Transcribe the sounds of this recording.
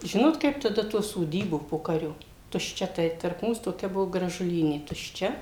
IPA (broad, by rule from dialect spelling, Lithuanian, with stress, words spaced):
ˈʒʲɪnoːt kɐɪp tɐˈdɐ tuː soːˈdʲiːbuː ˈpoːkɐrʲoː tʊʃʲˈt͡ʃʲɛ ˈtɐɪ tɐrp ˈmuːs toːˈkʲɛ ˈbʊʋoː ɡrɐʒʊˈlʲiːnʲeː tʊʃʲˈt͡ʃʲɛ